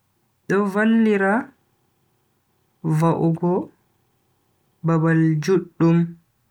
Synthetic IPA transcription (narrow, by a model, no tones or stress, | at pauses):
ɗɔvalːiɾa | vaʔuɡɔ | babald͡ʒuɗːum